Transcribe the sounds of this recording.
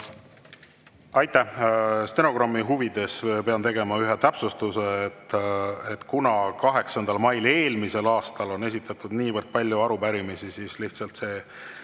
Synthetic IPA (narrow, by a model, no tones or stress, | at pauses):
ɑjt̪ˑːæhst̪eno̞ɡ̥rɑmːiɦuvid̪̥e̞spe̞ɑnt̪e̞ɡe̞mɑyɦet̪æpsust̪uset̪ːet̪ːkunɑkɑɦe̞ksɑnd̪ɑlmɑjle̞ːlmise̞lɑːst̪ɑlo̞ne̞s̬ʲit̪ːˑɑt̪ːˑud̪̥niːvərd̪̥̚pɑlʲːjuɑɾupæɾimisisisliht̪sɑlt̪se̞ː